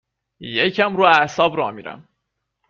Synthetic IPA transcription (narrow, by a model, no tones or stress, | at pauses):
jecʰæmɾuːæsɒːbɾɒːmiːɾæ̰m